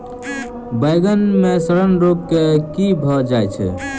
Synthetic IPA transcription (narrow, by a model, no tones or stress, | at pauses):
bəjɡənmesəɾənɾoɡkekibʱɔd͡ʒajt͡ʃʰɛ̰